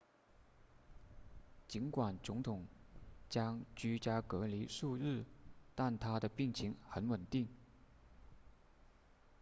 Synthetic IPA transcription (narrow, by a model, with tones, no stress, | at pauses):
t͡ɕi˧˥nkwa˨˩nt͡sʊ˧˥ŋt̪ʰʊ˨˩˦ŋt͡ɕjɑ˥ŋt͡ɕy˥t͡ɕja˥kɤ˧˥li˧˥ʂu˥˧ɻɻ̩˥˩t̪a˥˩nt̪ʰa˥d̪ə˨pi˥˩ŋt͡ɕʰi˧˥ŋxə˧˥nwə˨˩nt̪i˥˩ŋ